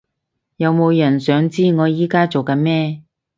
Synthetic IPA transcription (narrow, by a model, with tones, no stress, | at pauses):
jɐ˨˧wmo˨˧wjɐ˨˩nsœː˨˥ŋt͡siː˥ŋɔː˨˧jiː˨˥kaː˥t͡so˨wkɐ˨˧nmɛː˥